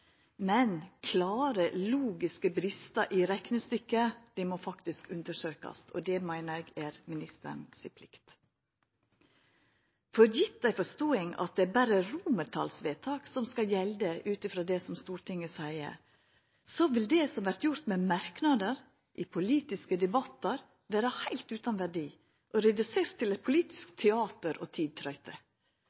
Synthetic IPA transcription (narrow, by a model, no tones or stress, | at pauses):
mɛnkʰlɑːɾəluːɡɪskəbɾɪst̪ɑʔɪɾɛknəst̪ʏkːəd̪̥ɪmoːfɑkt̪ɪskʉnd̪əʂøːkɑ̰sɔ̰d̪ɛmæɪnəɾæɡæːɾmɪnɪst̪ə̰ɳsɪ̰pʰlɪkt̪ | fɔɾjɪt̪̚d̪æɪfɔʂt̪oːɪŋɑ̰t̪̚d̪ɛæɾbæɾəɾuːməɾt̪ʰɑ̰lsʋeːt̪ʰɑːksɔmskɑjɛld̪əʔʉːt̪ɪfɾoːd̪ɛsɔmst̪uːɾʈ̪ɪŋːəsæɪə̰ | soʋɪld̪ɛsɔmʋæɾt̪jʊɾt̪mɛmɑɾknɑd̪əɾ | ʔɪpʰʊliːt̪ɪskəd̪ɛbɑt̪ːəɾ | ʋæːɾəhæɪlt̪ʉːt̪ɑnʋæɖiː | ʔɔɾɛd̪ʉseːɾt̪ʰːɪlɛt̪̚pʰʊliːt̪ɪ̥skt̪ʰɛɑːt̪əɾo̰ːt̪ʰiːd̪̚t̪ʰɾœʏt̪ʰə